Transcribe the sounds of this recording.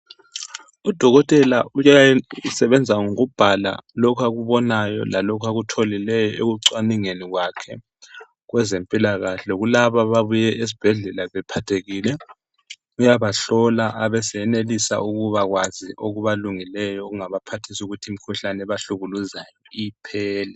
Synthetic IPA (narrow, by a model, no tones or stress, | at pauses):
ud̥ʱɔɣɔtʼɛlaujaisɛβɛnd͡zʱaŋoɣub̥ʱala̰lɔkʰaɣuβɔnajɔ̰lalɔkʰaɣutʰolilɛjɔeɣuǀwaniŋeniɣwakʰɛ̰ | ɣwɛzempʼilaɣaɬɛɣulaβaβaβujɛʔes̬i̥b̥ʱɛɮɛlaβɛpʰatʰeɣilɛ | ujaβaɬɔlaʔaβɛsɛɛnelisa̰ʔuɣuβaɣwaziʔoɣuβaluŋilɛjɔɣuŋaβapʰatʰisuɣutʰim̩kʰuɬanɛβaɬuɣuluzajɔipʰɛːlɛ